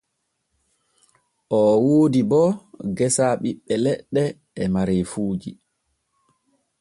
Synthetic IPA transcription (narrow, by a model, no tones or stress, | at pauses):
ʔɔwoːdibɔɡɛsaɓiɓːɛlɛɗːɛː | maɾefuːd͡ʒi